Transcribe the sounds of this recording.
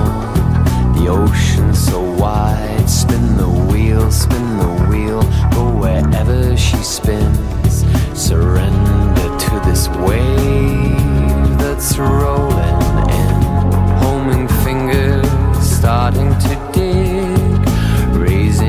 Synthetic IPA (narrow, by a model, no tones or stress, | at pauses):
ðioʊʃɨ̃nsoʊwaɪd̥spɪ̃nðəwilˠspɪ̃nðəwilˠfəwə˞ʔɛvə˞ʃispɪ̃n | z̥sə˞ɛ̃nndə˞tʰɨðɪsweɪ | ðɨtsɹoʊɨ̃nɪ̃nhõʊ̃mɪ̃ŋfɪ̃ŋɡə˞stɑɹɾɪ̃ŋtʰɨdɪ | k | ɹeɪzɪ̃